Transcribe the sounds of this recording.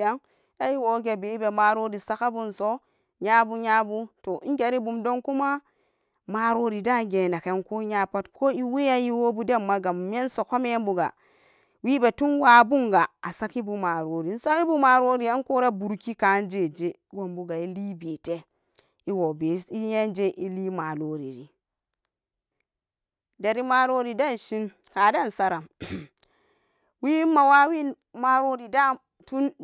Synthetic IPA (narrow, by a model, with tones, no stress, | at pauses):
ja˦ŋ | ja˦i˦wo˨˦ɡe˨be˨˦i˦be˨ma˨ɾo˦ɾi˨sa˦ka˦bu˦nso˦ | ɲa˦bu˦ɲa˦bu˦to˨i˦ŋɡe˨˦ɾi˦bu˨mdo˦ŋku˦ma˦ | ma˨ɾo˦ɾi˨da˦ɡe˨na˨ke˨˦nko˦ɲa˦pa˦tko˦i˦we˦ja˦ji˦wo˦bu˦de˦mːa˦ɡa˨mːe˦nso˨ko˦me˦e˦nbu˨ɡa̰˨ | wi˦be˨tu˦nwa˨˦bu˦ŋɡa˨a˨sa˦ki˦bu˦ma˨ɾo˨˦ɾi˨n̩˦sa˦ki˦bu˦ma˨ɾo˦ɾi˨ja˦n˦ko˦ɾa˦bu˨ɾki˦ka˨˦n˦d͡ʒe˦˨d͡ʒe˦wo˨mbu˦ɡa˨i˦liː˦beː˨te˦ | i˦wo˨be˨i˦je˦nd͡ʒe˦ʔi˦liː˦ma˨lo˦ɾi˨ɾi˨ | da˨ɾi˨ma˨lo˦ɾi˨da˦n˨ʃi˦n | ha˨da˦n˨sa˦ɾa˨ | wi˦a˨wa˦wi˦ | ma˨ɾo˦ɾi˨da˦ | tu˦n